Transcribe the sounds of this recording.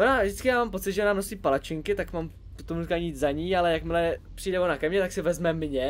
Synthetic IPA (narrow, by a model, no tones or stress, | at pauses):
ʔonaːvʒdɪt͡sskɪjaːmaːmpo̞t͡sɪd̪ʒɛʔnaːno̞siːpalat͡ʃɪŋkɪt̪akmam | ot̪omukaːɲiit͡szaɲiːalɛjakmɪlɛpr̝̥ijdɛvonakɛmɲɛt̪aksɪvɛzmɛmɲɛ